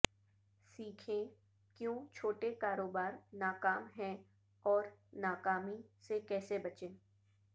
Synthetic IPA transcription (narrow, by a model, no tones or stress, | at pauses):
siːkʰẽ | kjõːt͡ʃʰoːʈekaːɾoːbaːɾnaːkaːmɦɛ̃ | ɔːɾnaːkaːmisekɛːsebɐt͡ʃẽː